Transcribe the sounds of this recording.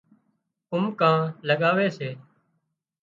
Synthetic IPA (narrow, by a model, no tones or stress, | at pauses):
ʊmkãːləɠaːʋeːseː